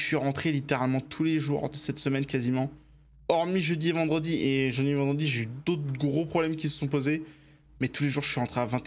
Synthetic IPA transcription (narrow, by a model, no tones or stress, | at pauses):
əsɥiʁɑ̃t̪χelit̪eʁalmɑ̃t̪ʰuleʒṵʁd̪əsɛt̪səmɛnkʲazimɑ̃ | ɔʁmiʒəd̪ievɑ̃d̪ʁəd̪iʔeʒɑ̃d̪ivɑ̃d̪ʁəd̪iʒeyd̪ot̪χɡʁopχɔblɛmkʲisə̥sɔ̃p̬oze | mɛt̪ʰuleʒuʁʒəsɥiʁɑ̃t̪χeavɛ̃t̪